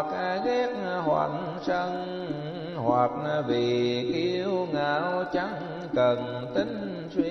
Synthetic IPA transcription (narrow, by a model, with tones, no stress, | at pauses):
k̚ɣɛ˦˥k̚hwa̰˨˧˩n | sə˧ŋ | hwa˨˩k̚vi˨˩ki˧əwŋaː˧˦wt͡ɕa˨˦ŋ | kə˨˩n | t̪i˨˦ŋ̟ | swi˧